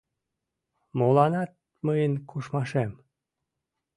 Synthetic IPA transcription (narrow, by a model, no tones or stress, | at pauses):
molɑnɑt̪̚ | məjənkʰuʃmɑʃem